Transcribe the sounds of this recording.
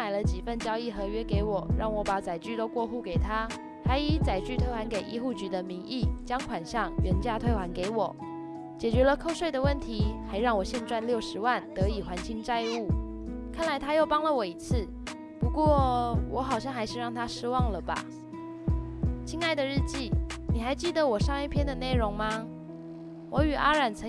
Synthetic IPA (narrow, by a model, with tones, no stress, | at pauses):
a˨˩ɪlə˧˦t͡ɕi˨˩fə˥˩nt͡ɕjɑ˥ʊi˥˩xɤ˧˥ɥɛ˥ke˧˥ɪwɔ˨˩˦ɻɑ˥˩ŋwɔ˧˥pa˨˥t͡sa˨˩ɪt͡ɕy˥˧t̪o˥ʊkwɔ˥˧xu˥˩ke˨˩ɪt̪ʰa˥ | xa˧˥ɪi˧˥t͡sa˨˩ɪt͡ɕy˥˧t̪ʰwe˥˧ɪxwa˧˥nke˨˩ɪʔḭ˥˧xu˥˩t͡ɕy˧˥d̪ə˧mi˧˥ŋʔi˥˩t͡ɕjɑ˥ŋkʰwa˨˩nɕjɑ˥˩ŋɥɛ˧˥nt͡ɕja˥˧t̪ʰwe˥˧ɪxwa˧˥nke˧˥ɪwɔ˨˩˦ | t͡ɕjɛ˨˩t͡ɕɥɛ˧˥lə˧kʰo˥˧ʊʂwe˥˩ɪd̪ə˩wə˥˩nt̪ʰi˧˥xa˧˥ɪɻɑ˥˩ŋwɔ˨˩ɕjɛ˥˧nʈ͡ʂwa˥˧nljo˥˩ʊʂɻ̩˧˥wa˥˩nt̪ɤ˧˥i˨˩xwa˧˥nt͡ɕʰi˧˥ŋt͡sa˥˧ɪu˥˩ | kʰa˥˩nla˧˥ɪt̪ʰa˥jo˥˩ʊpɑ˥ŋlə˨wɔ˨˩i˧˥t͡sʰɹ̩˥˩ | pu˧˥kwɔ˥˩wʔɔ˧˥xɑ˨˩ʊɕ̬jɑ˥˧ŋxa˧˥ɪʂɻ̩˥˧ɻɑ˥˩ŋt̪ʰa˥ʂɻ̩˥wɑ˥˩ŋlə˩ba̰˩ | t͡ɕʰi˥ŋa˥˩ɪd̪ə˨ɻɻ̩˥˧t͡ɕi˥˩ni˨˩xa˧˥ɪt͡ɕi˥˩d̪ə˨˩wɔ˨˩ʂɑ˥˧ŋi˥˩pʰjɛ˥nd̪ə˨ne˥˩ɪɻʊ˧˥ŋma˧ | wʔɔ˧˥y˨˩ʔa˥ɻa˨˩nt͡sʰɤ˧